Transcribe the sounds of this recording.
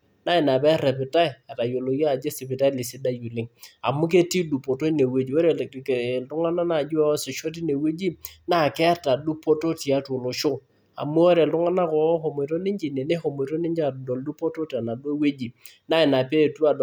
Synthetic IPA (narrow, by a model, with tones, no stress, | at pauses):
na˦ɪ˨na˨pɛ˦ɾɛ˨pɪ˨ta˦ɪ˨a˨ta˨jo˨lo˨ja˦˨d͡ʒe˦sɪ˨pɪ˨ta˦i˦lɪ˨sɪ˦da˦jo˨lɪ˦ŋa˨mu˦ke˦ti˦du˨po˨to˦ne˨we˦d͡ʒi˨o˦ɾe˨ltʊ˦ŋa˦na˦na˨d͡ʒu˦a˦sɪ˨ʃo˦t̬i˦ne˨we˦d͡ʒi˦na˦˨kɛ˦a˦ta˨du˦po˦to˦ti˨a˦to˨lo˨ʃʊ˦ | a̰˨mu˦o˦ɾe˨ltʊ˦ŋa˦na˦kɔ˨˦ɦo˨me˨ɾo˦nɪ˦ɲd͡ʒi˨ne˨ne˦ho˨me˨ɾo˦nɪ˦ɲd͡ʒa˨dɔ˨ldu˦po˦to˦ta˨na˨du˦e˦we˦d͡ʒi˨ | na˦ɪ˨na˨pe˦˨tu˦a˨